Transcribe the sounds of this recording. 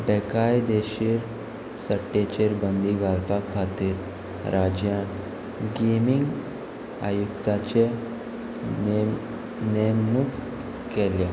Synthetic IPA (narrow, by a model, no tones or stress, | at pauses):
bɛkajd̪eɕiɾ | səʈːet͡ɕeɾbənd̪iɡalpakʰat̪iːɾ | ɾad͡ʑjan | ɡemiŋɡ | a̰jukt̪at͡ɕe | nemːuk | kela